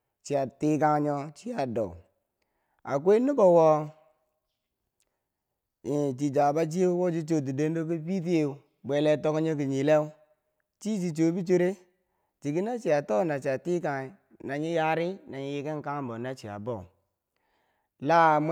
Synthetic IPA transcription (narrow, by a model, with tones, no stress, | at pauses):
t͡ʃi˨a˨ti˦ka˦ŋ˦ɲɔ˦t͡ʃi˦ja˨do̰˨u˨ | a̰˨k̬ʷe˦ni˦bo˨wo˦ | i˨t͡ʃi˨d͡ʒa˨ba˦d͡ʒ̬i˦e˦wo˦d͡ʒi˦t͡ʃo˨d̬i˨de˦n˦do˦ki˦bi˦t̬i˦e˦u˨ | be˨le˦to˦kɔ˦ɲo˦k̬i˨ɲi˨le˦u˦ | t͡ʃi˦t͡ʃi˨t͡ʃo˨˦bi˦t͡ʃo˦ɾe˦ | t͡ʃi˨ki˦na˦t͡ʃi˨a˨to˦na˨t͡ʃi˨a˨ti˦ka˨ŋ˨ | na˨ɲi˦ja˦ɾi˦na˨ɲi˦ji˦ke˦ŋ˨ka˦ŋ˦bo˨na˦t͡ʃi˨a̰˨bo̰˨ | la˦˨m